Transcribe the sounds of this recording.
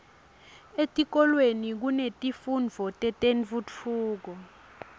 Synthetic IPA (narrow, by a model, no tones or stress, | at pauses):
etʼik̬ɔlwenik̬unetʼifund͡vʱɔtʼɛtʼenvut͡fʰuːk̬ɔ